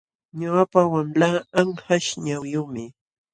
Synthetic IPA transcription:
ɲʊapawamlaːaŋhaʃɲawjʊmɪ

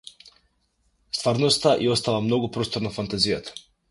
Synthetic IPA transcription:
st̪vaɾnost̪aʔiost̪avamnoɡupɾost̪oɾnafant̪azijat̪ḁ

